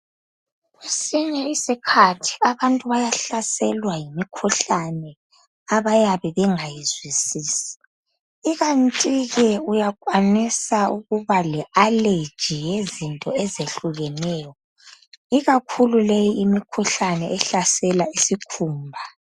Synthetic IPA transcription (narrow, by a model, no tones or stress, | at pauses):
ɣwesiɲɛisikʰatʰi̥aβantʼuβajaɬasɛlwajimikʰuɬanɛ | aβajaβɛβɛŋajizwisiːsi̥ː | ɣantʼiɣɛujakʼwanisauɣuβalɛale̥d͡ʒ̥ʱijezintʼɔɛzeɬuɣɛnɛːjɔ | iɣakʰululejiimikʰuɬanɛɛɬasɛlaisikʰuːmbʱa